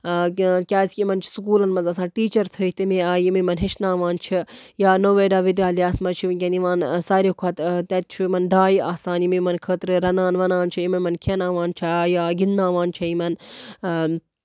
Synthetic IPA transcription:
kʲaːsʲkʲimɐnt͡ʃʰi̥sukuːlɐnmɐzɐsãːnʈiːt͡ʃɐɾt̪ʰəːt̪imiaːjimimɐnɦeʃnãːʋaːnt͡ʃʰijaːnoʋeːɖaːʋiɖaːliaːsmɐt͡ʃʰikʲɐniʋãːnsaːɾʲekʰɐt̪t̪ɐt̪̚t͡ʃʰumɐnd̪aːjiʔaːsaːnjimimɐnkʰəːt̪ɾɨɾɐnãːnʋɐnaːnt͡ʃʰɐjimɐmɐnkʰenãːʋãːnt͡ʃʰajaːɡinːãːʋaːnt͡ʃʰɐimɐn

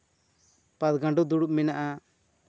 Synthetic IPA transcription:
pat̪ɡãɳɖud̪uɽuʔmɛnaʔa

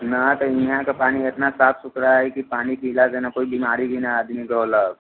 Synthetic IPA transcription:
nat̪əɾĩɦãkapaɽ̃iːet̪nasafsukɾaːɦekiːpaɽ̃iːkilad͡zɛnakoibʱimaɾiːɡinaad̪ʱmiːɡʱəʋla

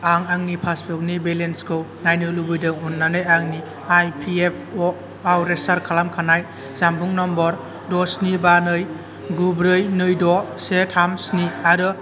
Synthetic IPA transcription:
aŋaŋnipʰaspʰɔk̚nibelenskʰɯwnajnɯlubɯjdɯŋunːanɯjaŋni | ajpʰiep̚ʰɔ | awɾesaɾkʰalamkʰanaj | zambuŋnɔmbɔɾ | dɔsnibanɯj | ɡubɾɯjnɯjdɔsetʰamsniaɾɯ

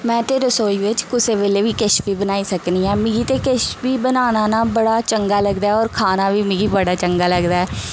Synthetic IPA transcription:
mɛ̃ːt̪eːɾosoːiʋɪt͡ʃkʊseːʋeːleːʋiːkeʃpiːbənaːisəkniɛːmɪɡiːt̪ekeʃpiːbənaːnaːnaːbəɽaːt͡ʃəŋɡaːləɡd̪aːɛɔːɾkʰaːnaːʋiːmɪɡiːbəɽaːt͡ʃəŋɡaːləɡd̪aːɦɛː

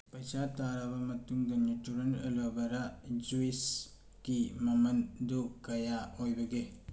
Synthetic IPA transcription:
pɐjsataɾabɐmɐtuŋdɐnjutuɾenɐ̰lobɐɾad͡ʒuis | kimɐmɐndukɐjaojbɐɡe

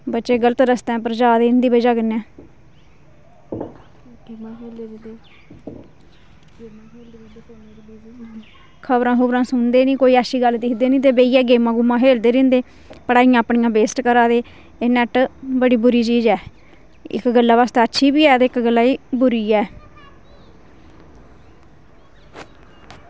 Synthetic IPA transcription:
bətːʃeːɡələt̪ɾəst̪ɛ̃ːpəɾəd͡ʒaːd̪eːnd̪iːbəd͡ʒaːɡənɛ̃ː | eeː | mː | kʰəbɾãːɦʊbɾãːsʊnd̪eːnĩːkoːiːəʃiːɡəld̪ɪkʰd̪eːnĩːt̪eːbeːiːɛːɡeːmãːɡʊmːãːɦeːld̪eːɾɪ̃nd̪eː | pəɽaːijãːpɳijãːbeːsʈkəɾaːd̪eː | eːnɛʈbəɽiːbʊɾiːt͡ʃiːd͡ʒɛː | ɪ̰kɡəlːaːʋaːst̪aːətːʃʰiːbiːɛːt̪eɪkɡəlːaːiːbʊɾiːɛː

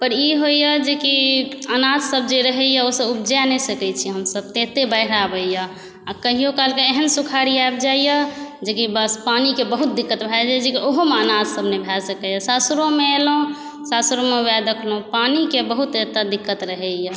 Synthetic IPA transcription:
pəɾiɦojəd͡ʒekiənad̪ʱsəb̚d͡ʒeɾəɦɛjəosəbub̚d͡ʒanɛsəkɛt͡ʃʰiɦəmsəb̚t̪et̪ebəɪɾabəjə | akəɦijokalkeeɦənsukʰaɾiaebd͡ʒajəd͡ʒekibəspanikebəɦut̪̚d̪ikːət̪bʱɛd͡ʒad͡ʒekiʔoɦomeənad̪səbnebʱɛlsəkɛjəsasɾõmeelõ | sasɾomeujad̪əkʰlopanikebəɦut̪et̪ad̪ikːət̪ɾəɦɛjə

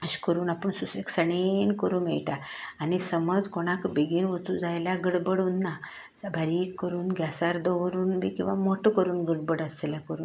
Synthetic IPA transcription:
əɕkəɾuːnapəɳsuseksəɳenkəɾuːmɛ̰ɭʈaːnisəməd͡zkoɽ̃akbeɡinʋət͡sud͡zajljaɡəɽbəɽuːnːa | bʱaɾikːəɾuːnɡʱjasaɾd̪ɔʋəɾuːnbḛkĩw̃ʋamoʈʰəkəɾuːnɡəɽbəɽəseljakəɾuːn

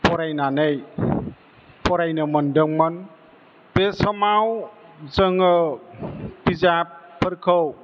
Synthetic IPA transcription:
pɔɾajnanej | pɔɾajnɯməndəŋmɔn | pesɔmawzəŋə | bizappʰːəɾkʰəw

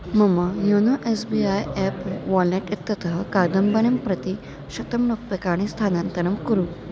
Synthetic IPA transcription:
məməjonoʔesbiajɛpʋɔlneʈit̪ːət̪əɦəkad̪əmbəñempɾət̪i | ɕət̪əmlok̚pekaɽ̃ist̪ʰanãnt̪əɾəmkəɾu

